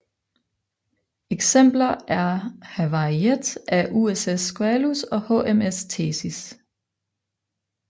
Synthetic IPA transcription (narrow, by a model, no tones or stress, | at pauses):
eɡ̥sem̰b̥lɐæɐhæʋɑied̥æʔuesesɡ̥oælusɒ̽hɔ̰ːemest͡sʰeːsis